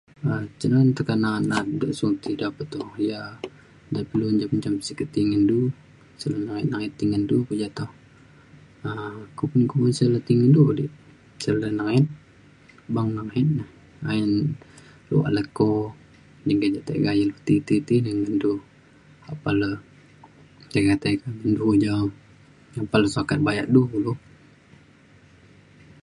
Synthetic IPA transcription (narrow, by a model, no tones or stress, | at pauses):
ət͡ʃənant̪əkanat̪nat̪̚doʔsut̪idapət̪ɔja | dapiluɲd͡ʒapət͡ʃampsikət̪iŋəndu | sələnaŋɪt̪̚naŋɛt̪ːiŋəndukud͡ʒat̪oh | əkupʊnkumənsələt̪iŋəndudiʔ | sələnaŋɛt̪̚ | baŋnaŋɦɛt̪̚nah | aən | lṵa̰ləko | d͡ʒəŋɡad͡ʒat̪a̰ɡajəlut̪it̪it̪inəŋəndu | apalə | sakat̪akamindud͡ʒam | apaləsakat̪̚bajaʔduluh